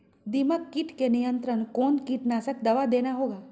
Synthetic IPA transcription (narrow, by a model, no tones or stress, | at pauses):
d̪iməkːiʈkenijə̃nt̪ɾənkoːnkiʈnaːsək̚d̪ɐʋad̪eːnaɦoːɡaː